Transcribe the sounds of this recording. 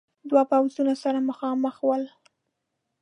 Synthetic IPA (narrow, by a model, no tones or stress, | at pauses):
d̪wapawzunasaɾamaxɑməxwəl